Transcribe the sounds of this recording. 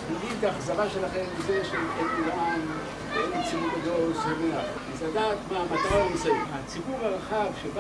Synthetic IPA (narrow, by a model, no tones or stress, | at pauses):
iɡit̪aχazaʁaʃe̞laχe̞mizeʃelkolulan | ensimukad̪oshomeaχ | azad̪aːt̪maamat̪aʁanisaimat͡sibuʁaʁaχavʃeb